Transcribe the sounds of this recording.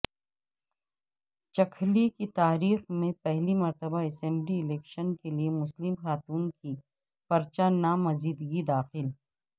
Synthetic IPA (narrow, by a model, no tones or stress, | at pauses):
t͡ʃɐkʰlikit̪aːɾiːxmẽpɛɦlimɐɾt̪əbaɛsɛ̃mbliɪleːkʃənkeliemʊslɪmxaːt̪uːnki | fɐɾt͡ʃanamɐziːd̪ɡid̪aːxɪl